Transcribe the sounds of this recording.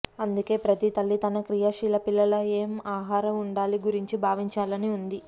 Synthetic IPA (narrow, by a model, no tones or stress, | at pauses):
ɐnd̪uke̞ːpɾɐt̪it̪ɐlːit̪ɐnɐkɾijaʃiːlɐpilːɐlɐe̞ːmaːɦaːɾɐmuɳɖaːliɡuɾiɲt͡ʃibʱaːʋiɲt͡ʃaːlɐniund̪i